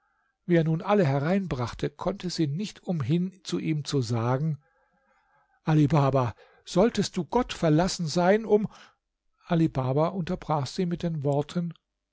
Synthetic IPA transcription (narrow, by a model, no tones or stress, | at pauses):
viːeːɐnuːnʔaləɦɛʁaɪnbʁaχtʰəkʰɔntʰəziːnɪçtʔʊmɦɪnt͡suʔiːmt͡suzaːɡŋ̩ | ʔalibaːba | z̥ɔltəst̚d̥uːɡɔtfɛɐlasn̩zaɪnʊm | ʔalibaːbaʔʊntɐbʁaːxz̥iːmɪt̚d̥eːnvɔɐtʰən